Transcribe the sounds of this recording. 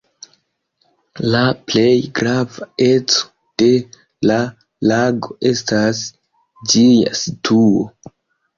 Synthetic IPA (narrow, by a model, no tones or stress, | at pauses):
laple̞jɡɾavaet͡so̥ | d̥e̞ | la | laɡo̞ʔe̞stas | d͡ʒija̰sitʰuo̰